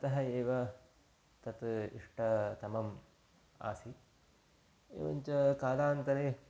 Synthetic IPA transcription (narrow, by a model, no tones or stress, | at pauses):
ɐt̪ɐɦɐeːʋɐ | t̪ɐt̪ḭʂʈɐt̪ɐmɐm | a̰ːsi | ḛːʋɐɲt͡ʃɐkaːlaːnt̪ɐɾeː